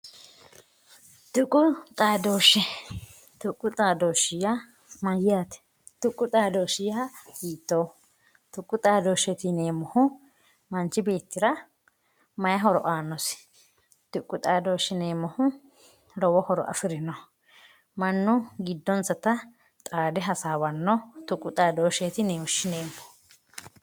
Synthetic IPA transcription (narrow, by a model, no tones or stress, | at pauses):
t̪ʊkʼːʊt̪ʼaːd̪o̞ːʃːɛ | t̪ʊkʼːʊt̪ʼaːd̪oːʃɪjɐ | mɐjɪaːt̪ɛ̥ | t̪ʊkʼːʊt̪ʼaːd̪oːʃɪjɐhiːt̪ːoː | t̪ʊkʼːʊt̪ʼaːd̪oːʃɛt̪ɪneːmɔhʊ | mɐnt͡ʃːɪbe̞ːt̪ːɪɾɐ | mɐjɐɦɔɾɔ̰ʔaːnːɔs | t̪ʊkʼːʊt̪ʼaːd̪o̞ːʃɪneːmːɔhʊ | lɔwɔhɔɾɔ̰ʔɐ̰fɪɾɪnɔ | mɐnːʊɡɪd̪ːɔnsɐt̪ɐ | t̪ʼaːd̪ɛɦɐsaːwɐnːɔt̪ʊkʼːʊt̪ʼaːd̪oːʃet̪ɪneːɔʃɪneːmːɔ̥